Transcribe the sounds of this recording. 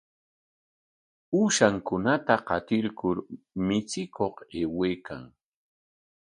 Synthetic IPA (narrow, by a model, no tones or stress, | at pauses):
uːʃaŋkʊnat̪aqɑt̪ɪɾkʊɾ | mɪt͡sɪkoqeːweːka̰ŋ